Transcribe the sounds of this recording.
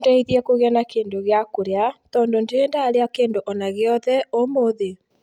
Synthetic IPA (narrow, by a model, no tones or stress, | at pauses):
dɛiðiɛkoɣeanakeːndoɣeakoɾeatɔːndondeeːndaːɾeakeːndoʔɔnaɣeɔðɛomoðe